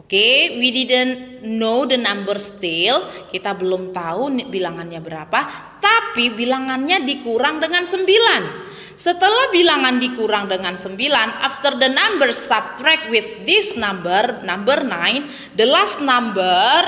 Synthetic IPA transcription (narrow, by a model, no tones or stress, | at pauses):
okewididən | nodənambərst̪ɪlkit̪abəlʊmt̪aubilaŋanɲabəɾapat̪apibilaŋanɲadikuɾaŋdəŋansəmbilan | sət̪əlahbilaŋandikuɾaŋdəŋansəmbilanʔaft̪ərdənambərsap̚t̪ɾɛk̚wɪθdisnambərnambərnaɪn | dəlasnambər